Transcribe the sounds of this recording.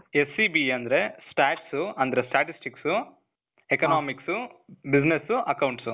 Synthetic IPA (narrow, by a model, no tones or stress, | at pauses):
esːibiɐnd̪ɐɾe̞sʈaːʈsuɐnd̪ɐɾesʈaːʈisʈiksu | ekɐnaːmiksubid͡ʒnesuʔɐkɐwɳʈsu